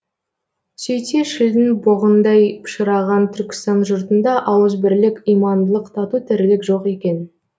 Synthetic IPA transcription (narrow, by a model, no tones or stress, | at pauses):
sejt̪eʃɪld̪ɪnboʁənd̪ɑjpʰə̥ʃəɾɑʁɑnt̪ʰʏɾkʲɪ̥st̪ɑnʒʊɾt̪ənd̪ɑʔɑwəzbɪɾlɪkʲijmɑnd̪əlˠəqt̪ʰɑt̪ut̪ʰɪɾlɪkʒo̞qe̞kʲe̞n